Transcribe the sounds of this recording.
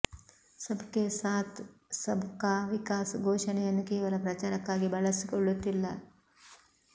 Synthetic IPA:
sɐbʱkesaːt̪ | sɐbʱkaːʋikaːsɡʱoːʂɐɳɛjɐnːukeːʋɐlɐpɾɐt͡ʃaːɾɐkːaːɡibɐɭɐsikoɭːut̪ːilːɐ

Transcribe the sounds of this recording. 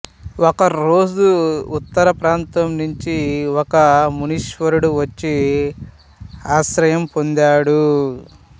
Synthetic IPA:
wɔkɐɾoːd͡ʒuut̪ːɐɾɐpɾaːnt̪ɐmnuɲt͡ʃiɔkɐmuniʃʋɐɾuɽuʋɐt͡ʃːi | aːʃɾɐjɐmpond̪aːɽu

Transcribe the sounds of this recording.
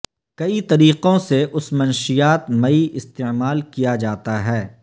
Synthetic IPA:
kɐit̪ɐɾiːqõseʔʊsmɐnʃijaːt̪mɐiɪst̪emaːlkijad͡ʒaːt̪aɦɛː

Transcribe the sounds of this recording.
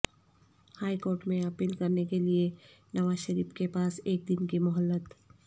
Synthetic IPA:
haːikoːɾʈmẽɐpiːlkɐɾnekelie | nɐʋaːzʃəɾiːfkepaːseːk̚d̪ɪnkimʊɦəlːət̪

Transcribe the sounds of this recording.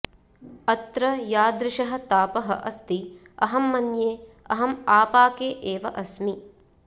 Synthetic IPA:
ɐt̪ɾɐjaːd̪ɾɪʃɐɦɐ̆t̪aːpɐɦɐ̰ʔɐst̪i | ɐ̰ɦɐmːɐnjeː | ɐ̰ɦɐmaːpaːkeːʔeːʋɐʔɐsmi

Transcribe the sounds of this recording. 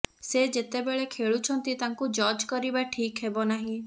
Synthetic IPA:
sed͡ʒet̪ebeɭekʰeɭut͡ʃʰɔnt̪it̪aŋkud͡ʒɔd͡ʒkɔɾibaʈʰikɦebɔnaɦĩ

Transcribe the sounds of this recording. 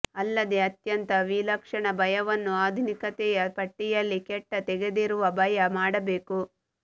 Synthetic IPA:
ɐlːɐd̪e̞ɐt̪jɐnt̪ɐʋilɐkʂɐɳɐbɐjɐʋɐnːuaːd̪ʱunikɐt̪ɛjɐpɐʈːijɐlːikɛʈːɐt̪ɛɡe̞d̪iɾuʋɐbɐjɐmaːɽɐbeːku

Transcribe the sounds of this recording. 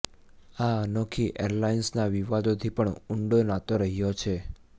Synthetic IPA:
aənokʰiʔḛɾlainsnaʋiʋad̪ot̪ʰipəɳʊɳɖonat̪oɾəɦijot͡ʃʰe

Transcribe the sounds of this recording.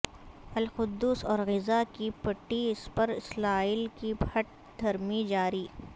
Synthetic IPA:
ɐlxʊd̪ːuːsɔːɾɣɪzakipɐʈːiɪspɐɾɪslaːɪlkibʱɐʈ̚ | d̪ʱɐɾmid͡ʒaːɾiː

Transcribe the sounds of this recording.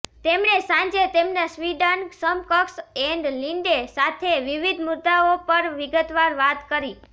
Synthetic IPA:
t̪emɳesãɲd͡ʒet̪emnasʋiɖənsəmkəksɛɳɖliɳɖesat̪ʰeʋiʋid̪ʱmʊd̪ːaopəɾʋiɡət̪ʋaɾʋat̪kəɾi

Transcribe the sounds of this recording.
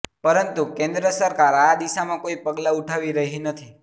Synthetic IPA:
pəɾənt̪ukẽnd̪ɾəsəɾkaɾad̪iʃamãkoipəɡlauʈʰaʋiɾəɦinət̪ʰi

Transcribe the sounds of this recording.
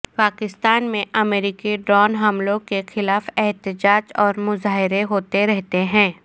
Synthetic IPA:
paːkɪst̪aːnmẽʔɐmeːɾiːkiɖɾɔːnɦɐmlõkexɪlaːfɛɦt̪ɪd͡ʒaːd͡ʒɔːɾmʊzaːɦɪɾeɦoːt̪eɾɛɦt̪eɦɛ̃ː

